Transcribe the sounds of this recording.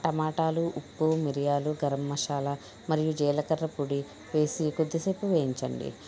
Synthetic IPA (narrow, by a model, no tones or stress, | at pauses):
ʈɐmaːʈaːluʔupːumiɾijaːluɡɐɾɐmːɐʃaːlɐ | mɐɾijud͡ʒɛːlɐkɐɾːɐpuɽi | ʋe̞ːsikod̪ːiseːpuʋeːjiɲt͡ʃɐ̰ɳɖḭ